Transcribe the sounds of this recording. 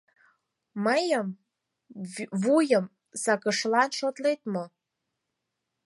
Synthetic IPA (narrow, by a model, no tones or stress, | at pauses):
majəm | vujəm | sakəʂlanʂot̪lejt̪̚ʼmə